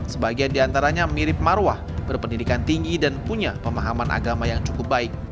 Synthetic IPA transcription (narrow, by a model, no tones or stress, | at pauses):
səbaɡiandiant̪aɾaɲamiɾɪp̚maɾwahbərpəndidikant̪iŋɡidanpuɲapəmaɦamanʔa̰ɡamajaŋt͡ʃukʊp̚baɪk̚